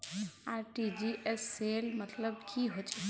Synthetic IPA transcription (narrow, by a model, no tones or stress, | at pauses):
aɾʈid͡ʒiʔesːelmət̪ləbkʰiɦot͡ʃʰɛ̥